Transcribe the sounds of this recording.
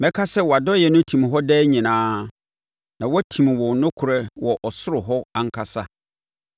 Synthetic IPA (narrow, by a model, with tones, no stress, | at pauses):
mɛ̃˦kʰa˦sɛ˦wɔ˨a˨dɔ˦jɛ˨nʊ̃˦tʰĩ˨m˨ɦɔ˦dɛː˦ɲĩ˨nãː˦ | nã˨wɔ˦tʰĩ˨m˨wɔ̃˨nʊ̃˦kʰʊ˨ɾɛ˦wɔ˨ʔɔ˨sʊ˦ɾʊ˨ɦɔ˦a˨ŋ̩˦kʰa˨sa˦